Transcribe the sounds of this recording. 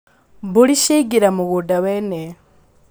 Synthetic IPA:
βuliʃiɡiɾamuɣudaweːne

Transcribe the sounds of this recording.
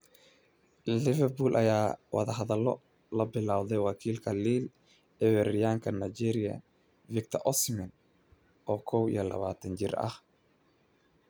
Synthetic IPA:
lɪvɛrbuːlʔɐjaːwɑ̰ðɐɦɐðɐlːɔ | lɐbɪlaːwðɛjwɑkʰiːlkʰɐliːl | ɛwɛɾɪjaːŋkʰɐnajd͡ʒɛːɾɪjɐ̰ | vɪk̚t̪ʰɐʔɔsmɪn | ʔɔːkʰɔwḭjɔlɐ̰βaːt̪ʰɐnt͡ʃɪrɐ̰h

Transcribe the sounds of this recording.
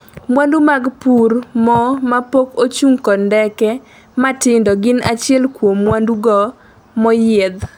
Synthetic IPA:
mwandumaɡpurmɔmapokot͡ʃuŋkɔndɛkɛ | matɪndɔɡɪnat͡ʃjɛlkwomwanduɡɔ | mɔjɛd̪

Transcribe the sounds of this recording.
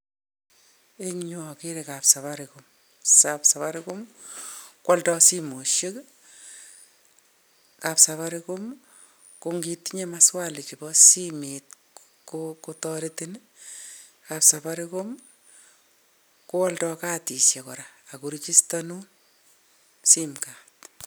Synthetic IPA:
eŋɲuɔkeɾekapsaβaɾikʊm | sapsaβaɾekom | kwɔltɔsimoʃek | kapsaβaɾikom | koŋɡitɲemaswalet͡ʃibɔsimet̚ | kokotɔɾetin | kapsabaɾɪkʊm | kowɔltɔkaːtisjɛkɔɾaːkuɾit͡ʃistanun | simkat̚

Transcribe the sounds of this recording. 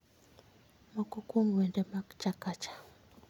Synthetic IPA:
makukumɛndɛmat͡ʃakat͡ʃḁ

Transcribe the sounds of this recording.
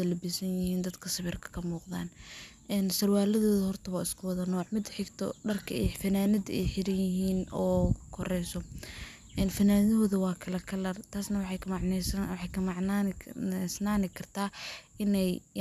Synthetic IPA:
ɐlɐbisɐnjɪhiːnd̪ɐd̪kʰɐsɐβɪrkʰɐ̥kʰɐmuːqða̰ːnʔɛːnsɐrwaːlɐðɔːðɐhɔrt̪ʰɐβaɪskʰʊwɐðɐnɔːʕmɪd̪ħɪɡt̪ʰɔ̰ɖɐrkʰɐ̰ɛjfɐnaːnɐdɛ̰jħɪɾɐjɪɦiːnɔːkʰɔrɛjsɔ | ʔɛːnfɐnaːnðɐɦɔːðɐwɑːkʰɐlɐkʰɐlɐrt̪ʰaːsnɐwħɑkʕnɛswħɑjkʰɐmɑʕʰ | snaːnɪkʰɐrt̪ʰaːʔɪnɛj

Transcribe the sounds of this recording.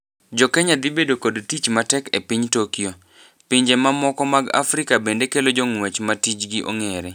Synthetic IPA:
d͡ʒɔkɛɲad̪ɪbedokodtit͡ʃmatɛkepiɲtokijo | piɲd͡ʒemamɔkɔmaɡa̰fɾɪkabendekelod͡ʒoŋwɛt͡ʃmatit͡ʃɡiʔo̰ŋeɾe

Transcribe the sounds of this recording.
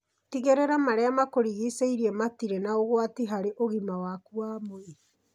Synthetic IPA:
tiɣeɾɛɾamaɾeamakoɾiɣiseiɾiɛmatiɾenaoɣwatiɦaɾeʔoɣimawakuamoe

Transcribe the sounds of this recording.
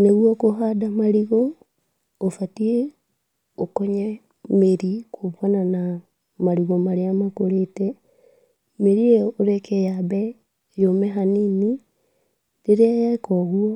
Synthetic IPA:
neɣwɔkoɦadamaɾiɣo | ofatie | okɔɲɛ | meɾikʰoβanana | maɾiɣɔmaɾeamakoɾetɛ | meɾieoɾɛkɛjaβɛ | jomɛɦanini | ɾeɾeajakɔɣwɔ

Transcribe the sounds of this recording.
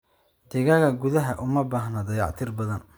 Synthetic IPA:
d̪̥ɪɣɐɣɐɡʊðɐɦɐʔʊmɐbaːhnɐd̪ɐjɑ̰ʕt̪ʰɪrbɐðɐn

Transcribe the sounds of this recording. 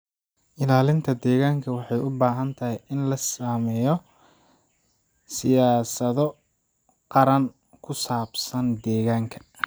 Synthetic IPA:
ʔɪlaːlɪnt̪ʰɐd̪ɛːɣaːŋkʰɐwɑħɑjʊbaːɦɐnt̪ʰɐɦɪjɪnlɐsaːmɛːjɔ | sɪjaːsɐðɔ | qɑɾɐn | kʰʊsaːbsɐnd̪ɛːɣaːŋkʰɐ̥

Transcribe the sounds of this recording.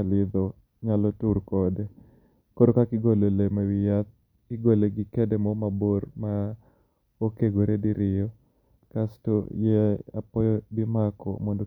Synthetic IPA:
alɪd̪ɔ | ɲalɔtuɾkɔdɛ | koɾokakɪɡololemawɪjat̪̚ | kɪɡoleɡɪkɛdɛmɔmaboɾma | okeɡoɾediɾɪjɔ | kastojɛa̰pɔjɔbimakɔ̰mɔndo

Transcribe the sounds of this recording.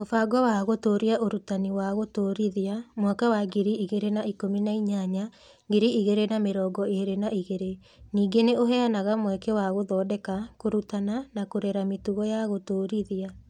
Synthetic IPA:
mofaɡɔwaɣotoːɾiaʔoɾutaniwaɣotoːɾiðiamwɛkawaɡiɾiiɣeɾenaikominaiɲaɲa | ɡiɾiʔiɣeɾenameɾɔːɡɔeɾenaiɣeɾe | niːɡeneoɦɛanaɣamwɛkɛwaɣoðɔːdɛkakoɾutananakoɾɛɾametuɣɔjaɣotoːɾiðia

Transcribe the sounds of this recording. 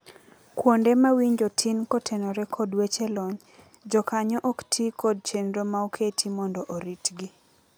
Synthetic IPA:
kwondemawiɲd͡ʒotʰinkɔtʰenɔɾɛkʰɔdwet͡ʃelɔɲ | d͡ʒɔkaɲɔʔoktʰikʰɔd̚t͡ʃenɾomaokʰetʰimɔndɔʔoɾitɡi

